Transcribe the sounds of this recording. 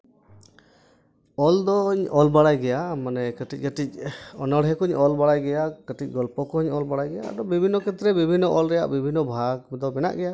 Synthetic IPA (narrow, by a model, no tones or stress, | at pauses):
ɔld̪ɔɲɔlbaɽajɡɛjamanɛkəʈic̚ˀkəʈic̚ɔnəɽɦɛkɔɲɔlbaɽajɡɛjakəʈic̚ˀɡɔlpɔkɔɔɲɔlbaɽajɡɛja̰a̰ɖɔbibʱinːɔkʰɛt̪ɾɛbibʱinːɔʔɔlɾɛja̰ʔbibʱinːɔbʱaɡd̪ɔmɛna̰ʔɡɛja